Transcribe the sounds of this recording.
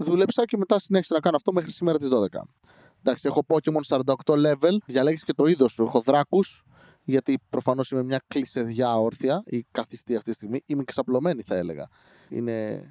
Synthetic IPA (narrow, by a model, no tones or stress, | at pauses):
ðulepsɐceme̞t̪ɐsineçsinɐkɐnoft̪o̞mexɾisimeɾɐt̪̬izðo̞ðe̞kɐ̰ | nd̪ɐksiexo̞po̞cemonsɐɾɐnd̪ɐokt̪o̞le̞ve̞lðʝɐle̞ɣsce̞t̪o̞iðo̞sːuexo̞ðɾɐkus | ʝɐt̪ipɾʔo̞fɐno̞sime̞mɲɐklise̞ðʝɐo̞ɾθiɐikɐθist̪iɐft̪it̪ist̪iɣmiimeksɐplo̞me̞niθɐe̞le̞̰ɣɐ̰ | ḭne̞